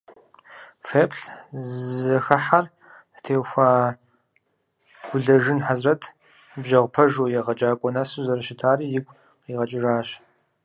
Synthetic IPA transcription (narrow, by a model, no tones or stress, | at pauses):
fepʰɬzɨxɐħar | tʰeːwxʷaː | ɡ̥ʷʊɮɐʒɨnħazrɐtʰ | bʒɐʁʷpʰɐʒoːjɛʁɐt͡ʃʼaːkʷʼɔnasɨzɐrɐʃɪtʰaːriːjɪɡʷʼ | qiːʁɐt͡ʃʼɪʒaːɕ